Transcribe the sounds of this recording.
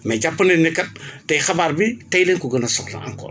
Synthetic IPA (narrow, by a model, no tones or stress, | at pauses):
mɛɟapːɐninːɛkːɐt̚ːɐjxɐbaːrbitɐjleŋkuɡənɐsɔxnɐ̰ɐ̰ŋkɔ̰ːn